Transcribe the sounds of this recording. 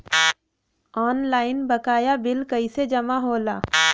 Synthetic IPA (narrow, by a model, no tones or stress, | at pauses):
ɔːnlaːɪnbəkaːjabɪlkɐised͡ʒɐmaɦoːlaː